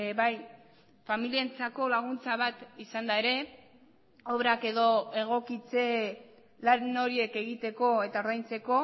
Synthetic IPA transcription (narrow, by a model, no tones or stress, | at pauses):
βaj | familie̞nt͡sako̞laɣ̞unt͡saβ̞at̪isand̪aeɾe̞ | o̞βɾake̞ðo̞e̞ɣ̞o̞kit͡se̞ | lanoɾie̞ke̞ɣit̪e̞ko̞e̞t̪ao̞ɾðajnt͡se̞ko̞